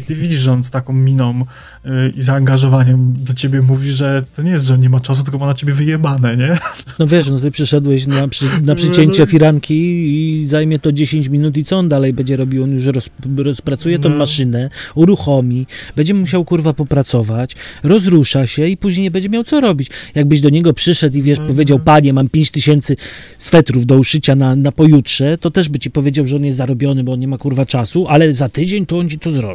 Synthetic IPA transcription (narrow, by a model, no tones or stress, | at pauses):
it̪ɘvʲiʐɔnt̪st̪akɔ̃mːʲinɔ̃m | izaːŋɡaʐɔvaɲɛmd̪at͡ɕebʲɛmuvʲiʐɛt̪ɔɲɛjɛst̪ʐɛɔnɲɛmat͡ʂasut̪ɘlkɔbɔnat͡ɕebʲjɛvɘjɛbanɛɲɛnɔvʲjɛʂ̬nɔt̪ɘpʂɛʂɛd̪wɛɕnapʂnapʂɨt͡ɕeɲt͡ɕɛfʲiɾaŋkʲizajmʲjɛt̪ɔd͡ʑeɕeɲt͡ɕmʲinut̪̬it̪ɔɔnd̪alɛjbɛɲd͡ʑɛɾɔbʲiwɔnjuʂɾɔsɾɔspɾat̪sujɛt̪ɔ̃w̃ːaʂɘnɛuɾuxɔmʲib̥ɛɲd͡ʑɛmuɕawkuɾvapɔpɾat̪sɔvat͡ɕɾɔzɾuʂaɕɛipuʑɲejɲɛbɛɲd͡ʑɛmʲjawt̪sɔɾɔbʲit͡ɕjaɡ̚bɘʑd̪ɔɲɛɡɔpʂɘʂɛt̪ivʲjɛʂpɔvʲjed͡ʑawpaɲɛmampʲjeɲt͡ɕt̪ɘɕɛnt̪sɘ | sfɛt̪ɾuvd̪ɔuʂɘt͡ɕananapɔjutʂɛt̪ɔt̪ɛʐbɘt͡ɕipɔvʲjed͡ʑawʐɛɔnjɛst̪zaɾɔbʲjɔnɘbɔɔnɲɛmakuɾvat͡ʂasuʔalɛzat̪ɘd͡ʑeɲt̪ɔɔnt͡ɕit̪ɔzɾɔ̰bʲi